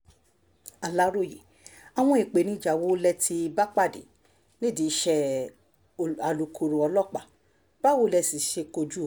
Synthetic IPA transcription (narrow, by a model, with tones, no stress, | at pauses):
a˨la˦ɾo˦˨je˨ | a˨w̃ɔ̃˧˦i˨k͡pe˨nĩ˧˦˨d͡ʒa˨wo˨˦lɛ˧ti˧ba˦k͡pa˦˨dḛ˨ | nĩ˦˨di˨˦ʃɛ˧˨ | a˨lu˨kʰo˨ɾo˨ɔ˧lɔ˦k͡pa˨ | b̥a˦wo˦lɛ˧si˨ʃe˧ko˧d͡ʒu˦˨